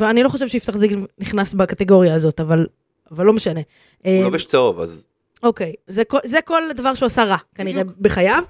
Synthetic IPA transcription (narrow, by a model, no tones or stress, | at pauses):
veanilo̞χoʃevʃeift̪aχziɡniχnasbakat̪e̞ɡo̞ʁjaːzo̞t̪aval | avalːo̞meʃane̞ | ʔeːoveʃt͡seova̰z | oke̞jzekozeko̞ld̪avaʁʃeuasaʁakaniʁʁebeχajav